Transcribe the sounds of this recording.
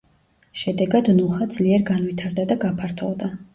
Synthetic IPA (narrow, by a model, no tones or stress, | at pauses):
ʃɛd̪ɛɡad̪nuχad̪zliɛɾɡanvit̪ʰaɾd̪ad̪aɡapʰaɾt̪ʰɔ̰vd̪a